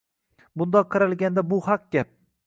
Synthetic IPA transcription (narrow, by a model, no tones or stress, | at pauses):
bʊnd̪ɒqʰːɑɾalˠɡʲand̪abʊhɑq̚ɡʲap̚